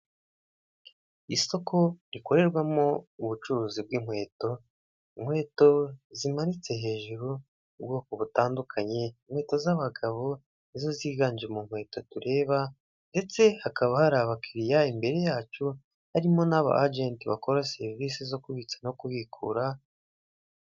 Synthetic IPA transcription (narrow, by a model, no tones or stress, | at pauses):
iso̞kʰo̞ɾiko̞ɾe̞ɾɡwamo̞uβut͡ʃuɾuːzib̚ɡim̥hwe̞ːto̞ | imhwe̞ːto̞zimaɾit͡se̞ɦe̞ːʒuɾuː | b̚ɡoːkoβutaːndukʰaɲe̞im̥hwe̞ːto̞zaβaɡaβo | nizo̞ziːɡaːɲd͡ʒemuŋ̥we̞ːto̞tuɾe̞ːβa | nde̞t͡se̞hakaβahaɾaβakʰiɾijaimbe̞ɾe̞jaːt͡ʃu | haɾimo̞naβa̰ʔad͡ʒe̞ːntiβa̰ko̞ɾase̞ɾiviːsizo̞kuβit͡sanokuβikʰṵːɾa